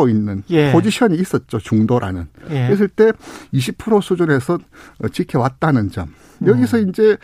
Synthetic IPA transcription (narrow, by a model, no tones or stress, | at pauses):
oinːɯnjpod͡ʑiɕʰʌɲiːs͈ʌt̚t͡ɕ͈ot͡ɕuŋdoɾʔa̰nɯ̰nwes̬ʰɯɭt͈e̞iɕʰipʰɯɾosʰud͡ʑune̞sʰʌt͡ɕikʰewat̚t͈anɯnd͡ʑʌ̰m | jʌɡisʰʌind͡ʑe̞